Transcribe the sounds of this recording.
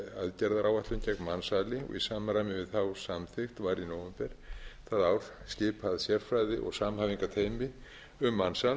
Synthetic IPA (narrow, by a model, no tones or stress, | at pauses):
aðcɛɾðaɾʔawaht̪lʏncɛknmansaːlɪɔ̰ɣḭsaːmarajmɪvɪðθawsamθɪxt̪vaɾinowɛmpɛɾ̥θaðawɾ̥scɪːpʰaðsjɛr̥fɾajðɪʔɔ̰ɣsaːmhaːviŋkat̪ʰeːjmɪ | ʏmːansal